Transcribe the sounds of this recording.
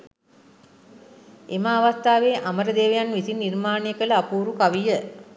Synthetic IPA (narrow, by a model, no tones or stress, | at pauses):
emaːʋast̪aːʋeːʔaməɾəd̪eːʋəjanʋisinːirmaːnejəkələapuːɾukaʋijə